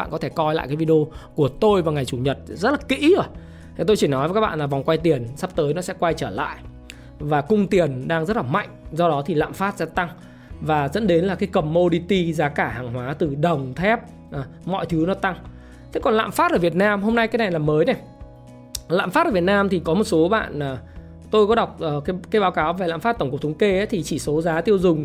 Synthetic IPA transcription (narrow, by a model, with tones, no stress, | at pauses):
a̰˧˨kɔ˨˦t̪e˧˩kɔ˧jla̰ː˧˨kaː˨˦vi˧ɗo˧ku˧˩ət̪o˧jvaː˨˩ŋa˨˩jt͡ɕu˧˩ɲə˨˩t̚zə˦˥t̚laː˨˩kḭ˧˥zo˧˩j̪ʰ | t̪o˧jt͡ɕi˧˩nɔ˨˦jvə˨˦kaː˦˥ɓ̰a̰ː˧˨laː˨˩va˨˩wŋ͡mkwa˧jt̪i˨˩ənsa˦˥p̚t̪əː˨˦jnɔ˨˦sɛ̰˧˥kwa˧jt͡ɕəː˧˩la̰ː˧˨jʔ | vaː˨˩kʊ˧ŋ͡mt̪i˨˩ənɗaː˧ŋzə˦˥t̚laː˨˩ma̰˧˨jŋ̟zɔ˧ɗɔ˨˦t̪ʰi˨˩la̰ː˧˨mfaː˦˥t̚sɛ̰˧˥t̪a˧ŋ | vaː˨˩zə̰˧˥nɗe˨˦nlaː˨˩kaː˨˦jkə˨˩mːo˧ɗi˧t̪i˧zaː˨˦kaː˧˩haː˨˩ŋɦwaː˨˦t̪ɨ˨˩ɗə˨˩wŋ͡mt̪ʰɛ˦˥p̚ | ʔmɔ̰˧˨jt̪ʰɨ˨˦wnɔ˨˦t̪a˧ŋ | t̪ʰe˨˦kɔ˨˩nla̰ː˧˨mfaː˦˥t̚ʔəː˧˩vi˨˩ət̚naː˧mɦo˧mna˧jkaː˨˦jna˨˩jlaː˨˩məː˨˦jna˨˩j | la̰ː˧˨mfaː˦˥t̚əː˧˩vət̚naː˧mt̪ʰi˨˩kɔ˨˦mo˨˩t̚so˨˦ɓa̰ː˧˨nəː˨˩ | t̪o˧jkɔ˨˦ɗa˨˩wk͡p̚ʔəː˨˩kːkaː˨˦jɓaː˨˦wkaː˨˦wve˨˩la̰ː˧˨mfa˦˥t̪̚ə˧˩ŋ͡mkk͡p̚t̪ʰŋ͡mke˧ʔə˨˦t̪ʰi˨˩t͡ɕi˧˩so˨˦zaː˨˦t̪i˧əwzʊ˨˩ŋ͡m